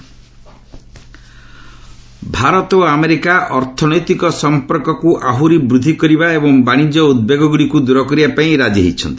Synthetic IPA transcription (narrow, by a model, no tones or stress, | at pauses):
bʱaɾɔt̪oameɾikaʔɔɾt̪ʰɔnɔjt̪ikɔsɔmpɔɾkɔkuʔaɦuɾibɾud̪ʱikɔɾibaebɔŋbaɽ̃id͡ʒɔud̪̚beɡɔɡuɽikud̪uɾɔkɔɾiapaĩɾad͡ʒeɦḭt͡ʃʰɔ̰nt̪i̥